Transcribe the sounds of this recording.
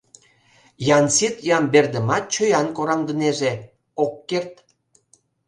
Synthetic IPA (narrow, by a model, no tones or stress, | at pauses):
jɑnsit̪jɑmberd̪əmɑt̪̚t͡ɕøjɑnkoɾɑmd̪əneʒe | okːert̪